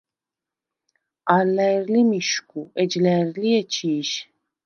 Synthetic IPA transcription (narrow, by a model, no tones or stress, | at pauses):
aɾlɛɾlimiʃkʼuɛd͡ʒlɛɾliɛt͡ʃʰiːʃ